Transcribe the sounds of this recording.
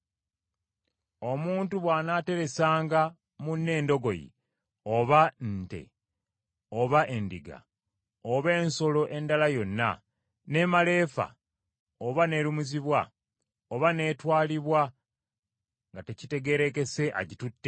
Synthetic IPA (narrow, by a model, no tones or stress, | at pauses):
o̞muːntuβwaːnaːte̞ɾe̞saːŋɡa | munːe̞ːndo̞ɡo̞jḭ | o̞βante̞̰ | o̞βaʔe̞ndiɡa̰ | oβe̞ːnso̞lo̞ʔe̞ndalajo̞nːa̰ | ne̞male̞ːfa̰ | oβane̞ːɾumuziβwa | oβane̞ːtwaːliβwa | ŋɡate̞cite̞ɡe̞ɾe̞ke̞se̞ʔa̰ɟitutːe